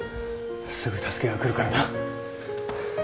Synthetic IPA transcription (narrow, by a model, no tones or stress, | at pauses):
sɨɡɯ̟t̪ʰasɨ̥kʲe̞ɡakɯ̟ɾɯ̟kaɾad̪a